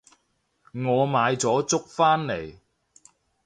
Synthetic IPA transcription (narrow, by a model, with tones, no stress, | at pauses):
ŋɔː˨˧maː˨˧jt͡sɔː˨˥t͡sʊ˥k̚faː˥nle˨˩j